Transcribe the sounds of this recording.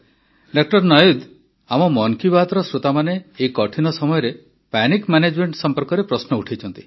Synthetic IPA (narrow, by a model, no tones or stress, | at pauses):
ɖak̚ʈɔɾnɔjud̪ | amɔmɔŋkibat̪ɔɾɔsɾut̪amaneːikɔʈʰinɔsɔmɔjɔɾe | panikmaned͡ʒmeɳʈsɔmpɔɾkɔɾepɾɔsnɔuʈʰejt͡ʃʰɔnt̪i̥